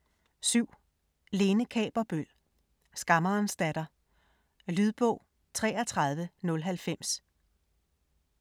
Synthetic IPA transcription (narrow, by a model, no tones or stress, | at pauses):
syʊ̰ | le̝ːnəkʰɛ̰ːb̥ɐb̥øl̰ | sɡ̥ɑ̈mɐːnsd̥æd̥ɐ | lyð̞ˠb̥ɔ̽ʊ̰ | t͡sʰʁɛ̰ːɐt͡sʰʁɑ̈ð̞ˠʋənɔ̽lɦælfem̰s